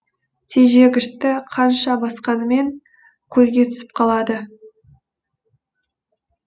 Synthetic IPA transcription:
t̪ʰeʒeɡʲɪʃt̪ɪqʰɑnʃɑbɑsqɑnəme̞ŋ | kʲʰɵzɡʲe̞t̪ʰʏ̥sɪp̚qʰɑlˠɑd̪ə

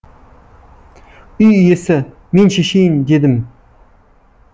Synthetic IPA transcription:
ʏjʏjesɪ | menʃeʃijɪnd̪ed̪ɪm

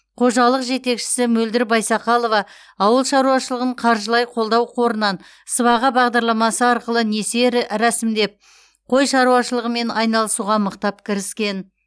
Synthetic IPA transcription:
qʰo̞ʒɑlˠəqʒe̞t̪e̞kʃɪ̥sɪmɵld̪ɪɾbɑjsɑqɑlˠo̞vɑ | ɑwəlˠʃɑɾuɑʃəlˠəʁəɴqʰɑɾʒəlˠɑjqʰo̞lˠd̪ɑwqʰo̞ɾənɑn | səβɑʁəbɑʁd̪ɑɾlˠɑmɑsəɑɾqəlˠəne̞se̞ɾɾæsɪmd̪e̞p̚ | qʰo̞jʃɑɾuɑʃəlˠəʁəme̞nɑjnɑlˠəsuʁɑməqt̪ɑpkʲʰɪɾɪskʲe̞n

